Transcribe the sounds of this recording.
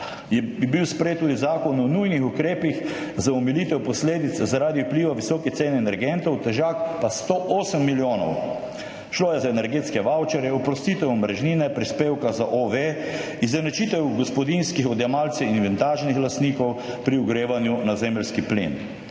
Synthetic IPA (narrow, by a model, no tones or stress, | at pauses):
jɛbibiwspɾjeːt̪ːuːd̪izaːkɔnɔnujnixukɾeːpix | zaɔmiliːt̪ɛwpɔsleːd̪it̪szaɾaːd̪iwpliːʋaʋisɔːkɛt̪seːnɛnɛɾɡɛnt̪ɔwt̪ɛʒaːkpast̪oʔoːsəmːiljoːnɔ̰w | ʃloːjɛzaɛnɛɾɡeːt̪skɛʋawt͡ʃɛɾjɛɔpɾɔst̪iːt̪ɛwmɾɛʒniːnɛpɾispeːwkazaʔoʋe | izɛnɛt͡ʃiːt̪ɛwɡɔspɔd̪inskixɔd̪jɛmalt̪sɛinʋɛnt̪aːʒnixlast̪niːkɔw | pɾiuɡɾeːʋanjunazeːmlskiplḛːn